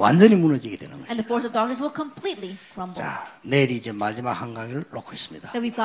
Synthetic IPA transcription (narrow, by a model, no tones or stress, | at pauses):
wa̰nd͡ʑʌnimunʌd͡ʑiɡidwenɯ̰nɡʌɕɛ̃nðəfɔɹs̬ʌvdɑɹk̚nɨs̬wɪlˠkʰə̃mpʰl̥itˡlikʰɹʌ̃mbt͡ɕa̰neɾiːd͡ʑemad͡ʑimak̚haŋɡaɡiɾɯɭːokʰois͈ɯ̥mɲidawivɡ